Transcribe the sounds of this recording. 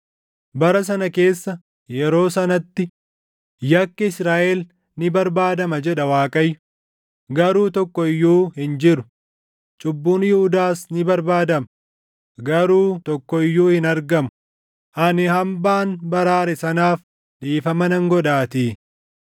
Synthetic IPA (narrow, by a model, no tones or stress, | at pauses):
bɐɾɐs̬ɐnɐke̞ːsːɐ | jɛɾo̞ːsɐnɐt̪ːɪ | jɐkːɐɪsɾaːʔɛl | nɪbɐɾbaːd̪ɐmɐd͡ʒɛᶑɐwaːkʼɐjːʊ | ɡɐɾuːt̪ɔkːɔɪjːuːhɪnd͡ʒɪɾʊ̥ | t͡ʃʼʊbːuːnjɪhʊd̪aːsnɪbɐɾbaːd̪ɐmɐ | ɡɐɾuːt̪ɔkːɔɪjːuːhɪnɐɾɡɐmʊ̥ | ʔɐnɪhɐmbaːnbɐɾaːɾɛsɐnaːf | ᶑiːfɐmɐnɐŋɡɔᶑaːt̪iː